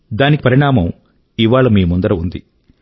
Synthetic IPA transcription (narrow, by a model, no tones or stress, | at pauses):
d̪aːnikipɐɾiɳaːmɐm | iʋaːɭɐmiːmund̪ɐɾɐund̪ḭ